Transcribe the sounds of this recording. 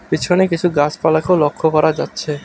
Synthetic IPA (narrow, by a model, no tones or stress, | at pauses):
pit͡ɕʰonekit͡ɕʰuɡat͡ɕpalakeolokʰːokɔɾad͡ʑatːɕʰe